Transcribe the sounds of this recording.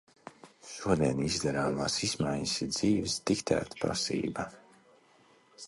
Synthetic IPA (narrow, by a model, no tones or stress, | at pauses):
ʃuɔd̪iɛnizd̪ɛɾaːmaːsizmajɲsiɾd̪z̥iːvsd̪ikt̪ʰæ̰ːt̪pɾa̰sḭːba